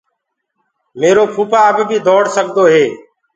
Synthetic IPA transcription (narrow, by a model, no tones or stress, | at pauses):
meːɾoːkʰuːpaːəbbʱiːd̪ʱoːɽsəɡd̪oːɦeː